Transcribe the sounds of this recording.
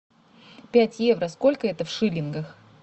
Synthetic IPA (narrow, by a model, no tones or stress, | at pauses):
pʲætʲjevɾəsko̞lʲkəɛt̪əfʂɨlʲɪnɡəx